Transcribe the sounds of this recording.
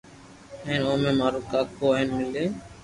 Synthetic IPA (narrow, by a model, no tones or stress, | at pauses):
ẽːnoːmẽːmaːɾuːkaːkʰoːeːnmɪleː